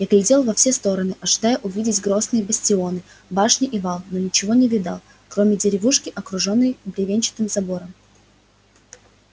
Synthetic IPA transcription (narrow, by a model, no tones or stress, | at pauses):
jaɡlʲɪdʲelˠvɐfsʲest̪o̞ɾənɨʔɐʐɨd̪ajʊʔʊvʲidʲɪtʲɡɾo̞snɨjəbəsʲtʲɪo̞nɨ | baʂnʲɪʔivalˠno̞nʲɪt͡ɕɪvonʲɪvʲɪd̪a̰lˠ | kɾo̞mʲɪdʲɪɾʲɪvuʂkʲɪʔɐkɾʊʐo̞nːəjbɾʲɪvʲenʲt͡ɕɪ̥t̪ɨmzɐbo̞ɾəm